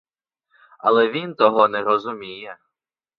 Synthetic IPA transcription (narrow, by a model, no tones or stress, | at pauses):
ɐ̰lˠɛʋʲint̪ɔɦɔnɛɾɔzʊmʲijɛ